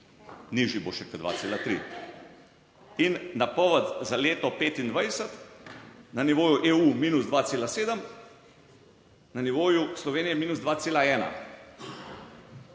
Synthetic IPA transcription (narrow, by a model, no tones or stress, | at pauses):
niːʒjiboʃɛkəd̪ʋa̰seːlat̪ɾḭ | inːapɔːʋət̪zaleːt̪ɔpeːt̪ind̪ʋajsət̪ | naniʋoːjuʔeːumiːnuzd̪ʋaːt̪seːlaseːd̪əm | naniʋoːjuslɔʋeːnijɛmiːnuzd̪ʋaːt̪seːlaɛːna̰